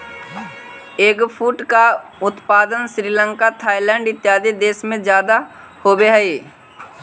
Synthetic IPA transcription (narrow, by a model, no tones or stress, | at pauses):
eːkpʰuːʈkaʊt̪paːd̪ənʃɾiːlə̃ŋkat̪ʰaːilɛ̃ɳɖɪt̪ːjaːd̪id̪eːsmẽd͡ʒjaːd̪a | hoːbeɦɛeː